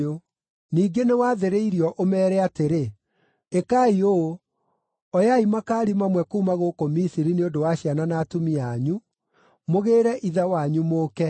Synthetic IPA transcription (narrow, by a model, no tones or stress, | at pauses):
o | niːɡenewaːðeɾeiɾiɔʔomɛːɾɛateɾe | ekaio | ɔjaimakaːɾimamwɛkuumaɣokomisiɾineodowaɕiananaːtumiaɲu | moɣeːɾɛʔiðawaɲumoːkɛ